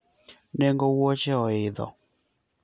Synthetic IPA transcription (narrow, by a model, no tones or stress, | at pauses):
neŋɡowot͡ʃɛɔɪðɔ̰